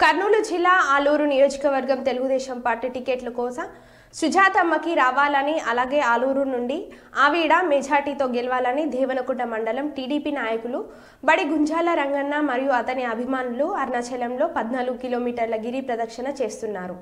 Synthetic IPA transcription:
kɐɾnuːlud͡ʒilːaːaːluːɾunijo̞ːd͡ʒɐkɐʋɐɾɡɐmt̪e̞luɡud̪ɛːʃɐmpaːɾʈiʈikeːʈlɐkɔːsɐm | ʃud͡ʒʱaːt̪ɐmːɐkiɾaːʋaːlɐniɐlaːɡe̞ːaːluːɾunuɳɖiaːʋiːɽaːmed͡ʒaːɾʈiːt̪o̞ːɡɛlɐʋaːlɐnid̪ʱɛːʋɐnɐkuʈnɐmɐɳɖɐlɐmʈiːɽiːpiːnaːjɐkulu | bɐɽiɡuɲd͡ʒʱaːlɐɾɐŋɡɐnːamɐɾijuɐt̪ɐniɐbʱimaːnuluɐɾnɐt͡ʃɛlɐmlo̞ːpɐd̪naːluɡukiloːmiːʈɐɾlɐɡiɾipɾɐd̪ɐkʂɐnɐt͡ʃe̞ːst̪unːaːɾu

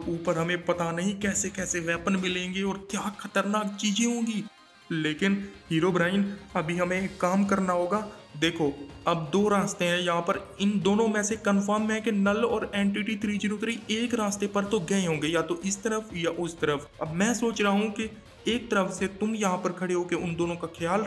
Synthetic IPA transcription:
uːpəɾɦɐmẽpɐt̪anɐɦĩkɛːsekɛːseʋɛːpənmɪlẽːŋɡeɔːɾkjaːkxʰɐt̪əɾnaːk̚t͡ʃiːd͡ʒeɦõːɡiː | leːkɪnɦiːɾoːbɾaːɪnɐbʱiɦɐmẽkːaːmkɐɾnaɦoːɡaːd̪eːkʰoːɐbd̪oːɾaːst̪eɦɛ̃jɐɦãpəɾɪnd̪oːnõmɛ̃ːsekənfəɾmɦɛ̃kenəlɔːɾeːɳʈiːʈit̪ʰɾiːd͡ʒəɾuːt̪ɾieːkɾaːst̪epɐɾt̪oɡɐẽɦõːŋɡejat̪oʔɪst̪əɾəfʰjaʔʊst̪əɾəf | ɐbmɛ̃ːsoːt͡ʃɾəaɦũke | eːk̚t̪əɾəfset̪ʊmjɐɦãpəɾkʰɐɽeɦoːkeʊnd̪oːnõkaxjaːl

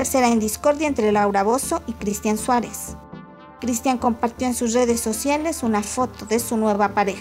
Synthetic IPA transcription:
eɾse̞ɾaend̪isko̞ɾðjaent̪ɾe̞lawɾaβo̞so̞ʔikɾist̪janswaɾe̞s | kɾist̪jaŋko̞mpaɾt̪jo̞ensusre̞ðe̞sːo̞sjale̞sunafo̞t̪o̞ðe̞sunwe̞βapaɾex

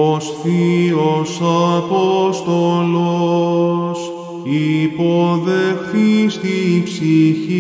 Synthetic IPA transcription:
osθiosɐpost̪olo | s | ipo̞ðexθist̪ipsiçi

